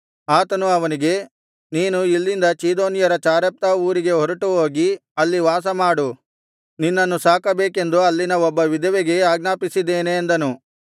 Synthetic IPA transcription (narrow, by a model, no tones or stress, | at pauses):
aːt̪ɐnuɐʋɐniɡe̞ | niːnuilːind̪ɐt͡ʃiːd̪o̞ːnijɐɾɐt͡ʃaːɾɐp̚t̪ɐuːɾiɡe̞ɦɔɾɐʈuɦoːɡiɐlːiʋaːs̬ɐmaːɽu | ninːɐnːusaːkɐbeːke̞nd̪uɐlːinɐɔbːɐʋid̪ɐʋeɡe̞aːɡnaːpisid̪ːeːneːnd̪ɐnu